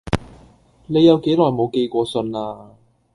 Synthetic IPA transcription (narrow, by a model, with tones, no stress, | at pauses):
ne˨˧jɐ˨˧wke˨˥jlɔː˨jmo˨˧wke˧jkʷɔː˧sɵ˧naː˧